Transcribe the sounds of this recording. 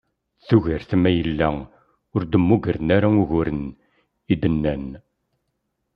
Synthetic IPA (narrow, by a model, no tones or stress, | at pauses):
θuʝəɾθmæjəlːæ | ʊɾd̪əmːuɡəɾənaɾaʊʝʊɾən | id̪ənːæn